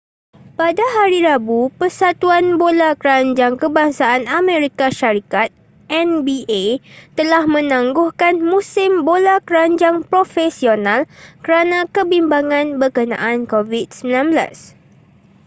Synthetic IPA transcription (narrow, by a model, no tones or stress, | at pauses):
padaɦaɾiɾabupərsat̪uanbolakəɾaɲd͡ʒaŋkəbaŋsaanamẽɾikaʃaɾikat̪̚ | ʔɛnbiet̪əlahmə̃nãŋɡʊhkanmũsɪmbolakəɾaɲd͡ʒaŋpɾofɛsionalkəɾanãkəbimbaŋãnbərkənã̰ʔankovid̚səmilãnbəla̰s